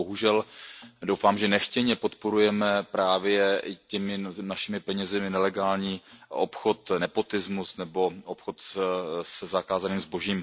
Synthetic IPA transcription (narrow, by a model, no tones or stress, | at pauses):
oɦuʒɛldowfaːmʒɛnɛxcɛɲɛpo̞t̪po̞ɾujɛmɛpɾaːvjɛɪcɛmɪnaʃɪmɪpɛɲɛzɪmɪnɛlɛɡaːlɲiːʔopxo̞t̪nɛpo̞t̪ɪzmusnɛbo̞opxo̞t̪sɛzakaːzaniːmzbo̞ʒiːm